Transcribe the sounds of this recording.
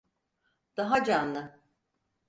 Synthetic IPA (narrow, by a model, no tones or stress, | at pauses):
d̪̥aɦad͡ʒanlˠɯ